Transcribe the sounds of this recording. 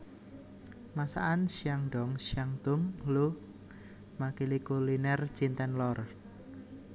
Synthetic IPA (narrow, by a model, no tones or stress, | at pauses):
masa̰ʔanʃjaŋɖɔ̤ŋʃjaŋt̪ʊŋlu | makilikulinɛr̥d͡ʒ̥int̪ɛnlɔr